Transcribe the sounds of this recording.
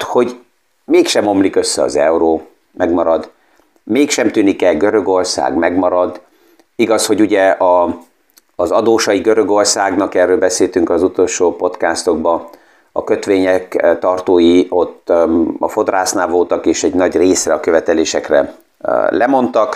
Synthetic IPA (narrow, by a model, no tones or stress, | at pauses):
ho̞ɟ | meːkʃɛmo̞mlikø̞sːɛɒ̰zɛuɾoː | mɛɡmɒɾɒd̪ | meːkʃɛmt̪yːnikɛlɡøɾø̞ɡo̞rsa̰ːɡmɛɡmɒɾɒd̪ | iɡɒsho̞ɟuɟɛɒ | zɒd̪oːʃɒjiɡø̞ɾø̞ɡo̞rsaːɡnɒkɛrːøːlbɛseːlt̪yŋkɒzut̪o̞lʃoːpo̞t̪kaːst̪o̞ɡbɒ | ɒ̰kø̞t̪ʋeːɲɛkt̪ɒrt̪oːjio̞t̪ːɒfo̞d̪raːsnaːvo̞lt̪ɒkeːʃɛɟnɒɟreːsrɛɒkøvɛt̪ɛleːʃɛkrɛ̰ | lɛmo̞nt̪ɒk